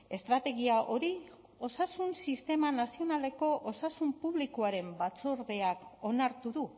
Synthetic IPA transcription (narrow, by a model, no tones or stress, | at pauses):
e̞st̪ɾat̪e̞ɣ̞iaʔo̞ɾi | osasunsist̪e̞manasio̞nale̞ko̞ʔosasumpuβlikoaɾe̞mbat͡so̞ɾðe̞ako̞naɾt̪uðu